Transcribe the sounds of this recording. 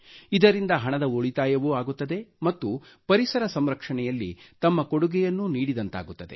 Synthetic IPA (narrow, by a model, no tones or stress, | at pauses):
id̪ɐɾind̪ɐɦɐɳɐd̪ɐoɭit̪aːjɐʋuaːɡut̪ːɐd̪e̞mɐt̪ːu | pɐɾisɐɾɐsɐmɾɐkʂɐɳɛjɐlːḭt̪ɐmːɐkoɽuɡɛjɐnːuniːɽid̪ɐnt̪a̰ːɡut̪ːɐd̪e̞